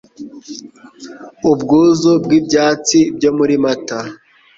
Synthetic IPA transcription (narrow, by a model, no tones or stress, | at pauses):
ubɡuːzobɡibjaːt͡sibjo̞muɾimata